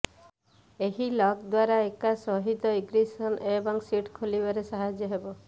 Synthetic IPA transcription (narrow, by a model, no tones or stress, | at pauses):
eɦilɔkd̪waɾaekasɔɦit̪ɔiɡɾisɔnebɔŋsiʈkʰulibaɾesaɦad͡ʒjɔɦebɔ